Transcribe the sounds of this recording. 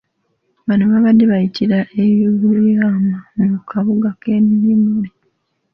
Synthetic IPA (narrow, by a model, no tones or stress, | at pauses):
βanoβaβadːeβajitʰiɾaʔeβjoɡuliaːmammukʰaβuɡake̞ːmiɾimuli